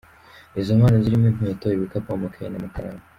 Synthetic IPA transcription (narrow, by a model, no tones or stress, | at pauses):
ezomwaːnaziɾimim̥eːtoiβikapomokʰajḛnamakaɾa̰ma